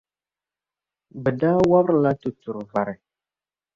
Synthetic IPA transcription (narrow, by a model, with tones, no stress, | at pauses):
bə˨da˦wa˦ɾla˦tu˨tu˨ɾva˨ɾe˨